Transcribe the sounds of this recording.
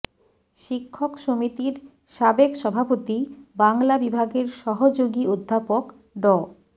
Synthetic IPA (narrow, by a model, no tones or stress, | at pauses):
ʃikʰːokʃomit̪iɾ | ʃabekʃɔbʱapot̪ibaŋlabibʱaɡeɾʃɔɦod͡ʑoɡiod̪ʱːapok | ɖɔ